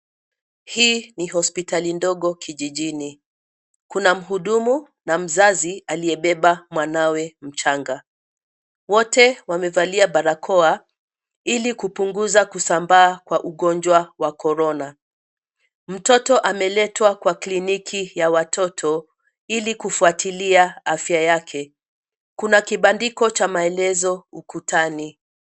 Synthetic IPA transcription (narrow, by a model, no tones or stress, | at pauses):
hiːnihɔspitalindɔɠɔkiʄiʄini | kunam̩ɦuɗumu | nam̩zazialiɛɓɛɓamwanawɛm̩t͡ʃaŋɡa | wɔtɛwamɛvaliaɓaɾakʰɔa | ilikupuŋɡuzakusambaːkwaʔuɠɔnd͡ʒwawakɔɾɔna | m̩tɔtɔʔamɛlɛtwakwaklinikʰijawatʰɔtʰɔ | ilikufuatiliaafjajakʰɛ | kunakiɓandikɔt͡ʃamaɛlɛzɔukutani